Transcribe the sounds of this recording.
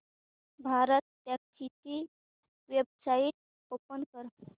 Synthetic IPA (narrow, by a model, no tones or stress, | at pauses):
bʱaɾət̪ːjaktʰit̪i | ʋjeb̚sait̪̚ | popənkəɾ